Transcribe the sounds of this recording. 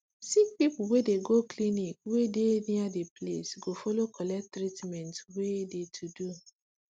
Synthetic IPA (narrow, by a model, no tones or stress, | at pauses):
sik̚pipuwedeɡoklinikwedeniadeplḛsɡofɔlokʰɔlɛk̚tɾitmɛ̃ntwedetʰudu